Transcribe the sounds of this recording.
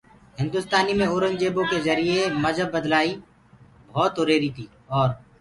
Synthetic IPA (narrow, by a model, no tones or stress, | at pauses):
ɦɪ̃nd̪ʊst̪aːnimẽoːɾənd͡ʒeːbõkezɐɾijeməd͡ʒəbːəd̪laːi | bʱɔːt̪oɾeːɾit̪ʰiː | ɔːɾ